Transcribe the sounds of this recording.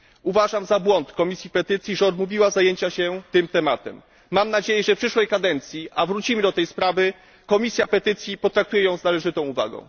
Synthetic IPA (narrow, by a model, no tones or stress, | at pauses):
uvaʐamzabwɔnt̪kɔmʲisʲjipɛt̪ɘt̪sʲjiʐɛɔd̪muvʲiwazajeɲt͡ɕaɕɛt̪ɘmt̪ɛmat̪ɛ̰mː | amnad͡ʑejɛʐɛfpʂɘʂwɛjkad̪ɛnt̪sʲjiavɾut͡ɕimɘd̪ɔt̪ɛjspɾavɘ | kɔmʲisʲjapɛt̪ɘt̪sʲjipɔt̪ɾak̚t̪ujɛjɔ̃w̃znalɛʐɘt̪ɔ̃w̃uva̰ɡɔ̰̃w̃